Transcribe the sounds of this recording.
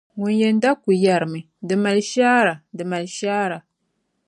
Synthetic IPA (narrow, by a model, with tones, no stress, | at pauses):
ŋʊ˨njɛ˨n˦da˦ku˨ja˨ɾɨ˨mɨ˨ | dɨ˨ma˨lʃaː˦ɾa˨dɨ˨ma˨lʃaː˦ɾa˨